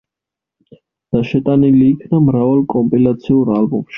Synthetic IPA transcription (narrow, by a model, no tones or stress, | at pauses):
d̪̥aʃɛt̪ʼaniliːkʰnamɾavalˠkʼɔmpʼilat̪sʰiuɾalbɔmʃi